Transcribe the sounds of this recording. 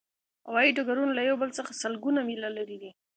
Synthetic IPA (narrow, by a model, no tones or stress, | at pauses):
ha̰wɑjiɖaɡaɾunalajawbəlt͡səxasəlɡunamilalaɾid̪i